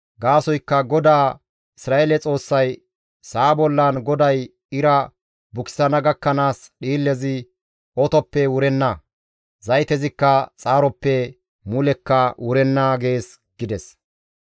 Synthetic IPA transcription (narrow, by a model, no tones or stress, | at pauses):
ɡaːsɔjkːɐɡɔd̪aː | ɪsɾaːʔelɛt͡sʼo̞ːsːɐj | saːbɔlːanɡɔd̪ɐj | ɪɾɐ | bʊkɪ̥sɐnɐɡɐkːɐnaːsɗiːlːɛzɪ | ɔt̪ɔpːɛwʊɾɛnːaː | zɐjt̪ɛzɪkːɐt͡sʼaːɾɔpːɛ | mʊlɛkːɐwʊɾɛnːaːɡe̞ːs | ɡ̥ɪd̪ɛs